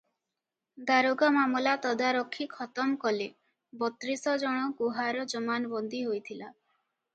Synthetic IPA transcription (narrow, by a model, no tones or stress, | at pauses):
d̪aɾoɡamamɔlat̪ɔd̪aɾɔkʰːikʰɔt̪ɔmkɔle | bɔt̪ɾisɔd͡ʒɔɽ̃ɔkuɦaɾɔd͡ʒɔmanɔbɔnd̪iɦojt̪ʰila